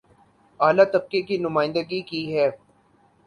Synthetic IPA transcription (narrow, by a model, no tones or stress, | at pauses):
aːlat̪ɐb̚kekinʊmaːɪ̃nd̪əɡikiɦɛː